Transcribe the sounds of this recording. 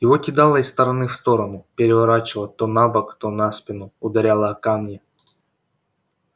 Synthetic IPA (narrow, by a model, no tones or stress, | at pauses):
jɪvotʲɪd̪alˠəɪst̪əɾɐnɨfst̪o̞ɾənʊpʲɪɾʲɪvɐɾat͡ɕɪvlˠət̪onabəkt̪onaspʲɪnʊʊd̪ɐɾʲalˠəkamnʲɪ